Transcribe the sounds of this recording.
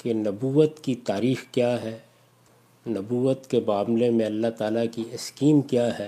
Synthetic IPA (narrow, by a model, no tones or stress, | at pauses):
kenɐbuːət̪kit̪aːɾiːxkjaːɦɛː | nɐbuːət̪kebaːmlemẽɐlːaɦt̪aːlakiɪskiːmkjaːɦɛː